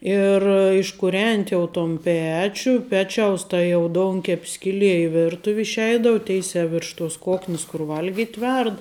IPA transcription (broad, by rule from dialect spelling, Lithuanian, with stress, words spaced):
ɪr ɪʃkʊˈrʲɛnʲtʲɪ jɛʊ toːn ˈpʲæːt͡ʃʲʊ ˈpʲæːt͡ʃʲɛʊs ˈtɐ jɛʊ ˈdoːʊŋʲkʲɛpʲ ˈsʲkʲɪlʲiɛ ɪ ˈʋʲɪrtʊw ɪʃʲˈɛɪdɐʊ ˈtʲɛɪsʲæː ʋʲɪrʃ toːs ˈkoːknʲɪs kʊr ˈʋɐlʲɡʲɪtʲ ˈʋʲɛrt